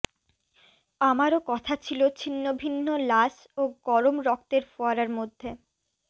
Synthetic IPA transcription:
amaɾokɔt̪ʰat͡ɕʰilot͡ɕʰinːobʱinːolaʃ | oɡɔɾomɾɔk̚t̪eɾfoaɾaɾmod̪ʱːe

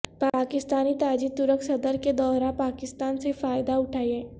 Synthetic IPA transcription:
paːkɪst̪aːnit̪aːd͡ʒit̪ʊɾəksɐd̪əɾked̪ɔːɾaːpaːkɪst̪aːnsefaːjd̪aʊʈʰaːiɦɛ̃ː

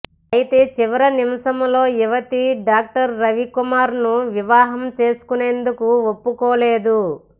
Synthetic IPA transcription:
ɐjit̪e̞ːt͡ʃiʋɐɾɐnimɐʃɐmlo̞ːiʋɐt̪iɖaːk̚ʈɐɾːɐʋikumaːɾnuʋiʋaːɦɐmt͡ʃe̞ːsu̥kune̞ːnd̪ukuopːukɔːle̞ːd̪u

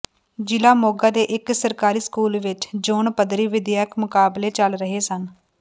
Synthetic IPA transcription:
d͡ʒɪlaːmoːɡaːd̪eːʔɪksəɾkaːɾiːskuːlʋɪt͡ʃd͡ʒoːɳpəd̪ɾiːʋɪd̪jaːkmʊkaːbleːt͡ʃəlɾəɦeːsən

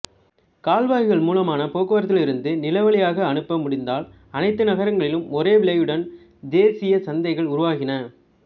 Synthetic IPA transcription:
kaːlʋaːjɯɣɐɭmuːlɐmaːnɐpoːkɯʋɐːɾɐt̪ːɪlɪɾɯnd̪ɯnɪlɐʋɐɭɪjaːɣɐːnɯpːɐmʊɽɪnd̪aːl | ɐnɐɪt̪ːɯnɐɣɐɾɐŋɡɐɭɪlɯmɔreːʋɪɭɐjɯɽɐn | d̪eːsɪjɐsɐnd̪ɐɪɣɐɭʊɾʊʋaːɣɪnɐ

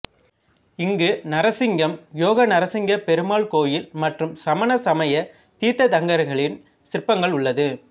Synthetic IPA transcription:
ɪŋɡɯnɐɾɐsɪŋɡɐmjoːɣɐnɐɾɐsɪŋɡɐpɛɾɯmaːɭkoːjɪlmɐʈrɯmsɐmɐnɐsɐmɐjɐ | t̪iːt̪ːɐt̪ɐŋɡɐɾɣɐɭɪn | sɪrpːɐŋɡɐɭʊɭːɐðɯ

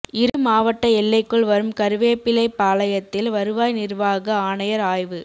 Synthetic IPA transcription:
ɪɾɯmaːʋɐʈːɐɛlːɐɪkːɯɭʋɐɾɯmkɐɾɯʋeːpːɪlɐɪpːaːlɐjɐt̪ːɪlʋɐɾɯʋaːjnɪrʋaːɣɐaːnɐjɐɾaːjʋɯ

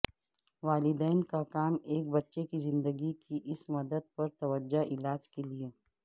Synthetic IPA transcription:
ʋaːlɪd̪ɛːnkakaːmeːk̚bɐtːʃekizɪ̃nd̪əɡikiʔɪsmɐd̪əd̪̚pɐɾt̪ɐʋəd͡ʒːaʔɪlaːd͡ʒkelieː

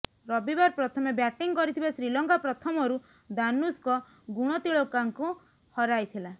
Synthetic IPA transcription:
ɾɔbibaɾpɾɔt̪ʰɔmebjaʈiŋkɔɾit̪ʰibasɾilɔŋkapɾɔt̪ʰɔmɔɾu | d̪anuskɔ | ɡuɽ̃ɔt̪iɭɔkaŋku | hɔɾajt̪ʰila

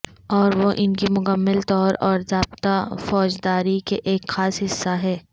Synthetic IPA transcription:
ɔːɾʋoʔɪnkimʊkəmːəlt̪ɔːɾɔːɾzaːbt̪afɔːd͡ʒd̪aːɾikeʔeːkxaːsɦɪsːaɦɛː

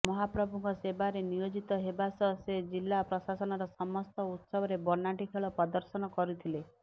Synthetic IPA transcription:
mɔɦapɾɔbʱuŋɡkɔsebaɾenijod͡ʒit̪ɔɦebasɔsed͡ʒilːapɾɔsasɔnɔɾɔsɔmɔst̪ɔut̪sɔbɔɾebɔnaʈikʰeɭɔpɾɔd̪ɔɾsɔnɔkɔɾut̪ʰile

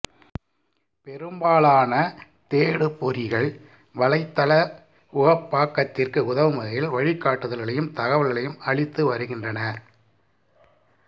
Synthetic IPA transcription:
pɛɾɯmbaːɭaːnɐ | t̪eːɽɯpːɔɾɪɣɐɭ | ʋɐɭɐɪt̪ːɐlɐ | ʊɣɐpːaːkːɐt̪ːɪrkɯʊðɐʋɯmɐɣɐjɪlʋɐɻɪkːaːʈːɯðɐlɣɐɭɐjɯmt̪ɐɣɐʋɐlɣɐɭɐjɯmɐɭɪt̪ːɯʋɐɾɯɣɪndrɐnɐ

